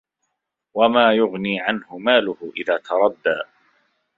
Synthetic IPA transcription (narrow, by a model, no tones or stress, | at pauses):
wamaːjʊɣniːʕanhʊmaːlʊhʊʔɪðaːt̪ʰɑɾˤɑd̪ːa̰ː